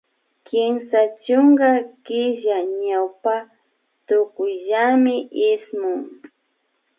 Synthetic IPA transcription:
kɪmsat͡ʃʊŋɡɑkɪʒaɲawpa | t̪ʊkʊjʎamɪʔɪsmʊŋ

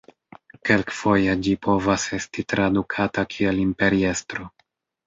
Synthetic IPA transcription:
ke̞lkfo̞jed͡ʒipo̞vase̞stitɾadukʰatakʰie̞limpe̞ɾie̞stɾo̞

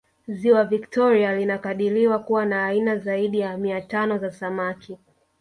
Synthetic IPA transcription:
ziwaviktɔɾialinakaɗiliwakuwanaːinazaiɗijamiatanɔzasamaki

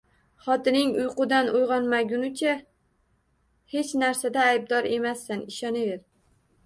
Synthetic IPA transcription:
χɒt̪ɪnɪŋʊjqʊd̪anʔojʁɒnmaɡʲʊnɪt͡ʃʰa | he̞t͡ʃnaɾsad̪aːjb̚d̪ɒɾe̞masːanɪʃɒnɪveɾ

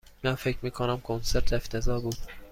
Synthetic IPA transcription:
mænfecʰmiːkʰonæmkʰonseɾt̪ʰeft̪ʰezɒːbuːd̪̥

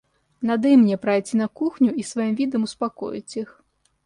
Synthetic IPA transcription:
nad̪ɨjmnʲɛpɾajt͡sʲinɐkuxnʲuisvajimvʲid̪ɐmuspakɔ̰jḭt͡sʲix

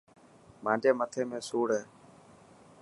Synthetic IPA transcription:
mãːd͡ʒeːmət̪ʰeːmẽːsuːɽɦeː

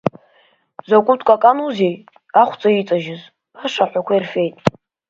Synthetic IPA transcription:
zakʷʼʊtʰʼkʷʼakʼanuzej | aχʷt͡sʼait͡sʼaʒɪz | aʂaħᶣʷakʷʰairfe̞jtʼ

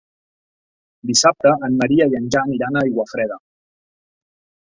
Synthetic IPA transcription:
d̪isap̚t̪əʔːmːəɾiəiənʲʒaniɾanəiɣwəfɾɛðə

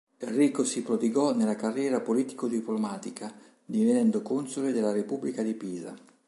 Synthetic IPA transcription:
erːiːkosipɾod̪iɡɔnelːakarːjɛːɾapoliːt̪ikod̪iplomaːt̪ikʰa | d̪ivenɛnd̪okunsoled̪elːaɾepubːlikad̪ipiːza̰

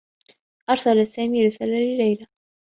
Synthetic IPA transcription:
ʔɑɾˤsalasːaːmiɾɪsalalɪlajla

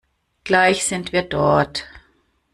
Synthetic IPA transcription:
ɡ̥laɪçz̥ɪntv̥iːɐdɔɐt

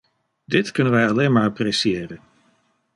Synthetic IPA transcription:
dɪtkɵnənʋɛjɑleːnmaːɹɑprɛsieːrən

